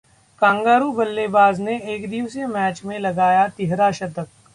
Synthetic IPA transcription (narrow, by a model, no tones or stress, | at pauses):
kãːŋɡaːɾubɐlːeːbaːzneeːkd̪iːʋsemɛːt͡ʃmẽlɐɡaːjat̪ɪɦɾaʃɐt̪ək̚